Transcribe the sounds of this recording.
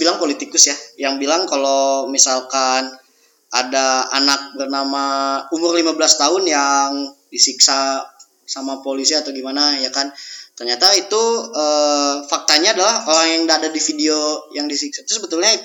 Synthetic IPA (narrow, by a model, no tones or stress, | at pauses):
bilaŋpolit̪ikʊsjajaŋbilaŋkalomisalkan | adaanak̚bərnamaumʊrlimabəlast̪aɦʊnjaŋdisiksa | samapolisiat̪awɡimanajakant̪ərɲat̪ait̪uəfak̚t̪aɲaːdalahoɾaŋjaŋdaːdadifideojaŋdisiksat̪ɾʊsbət̪ʊlɲai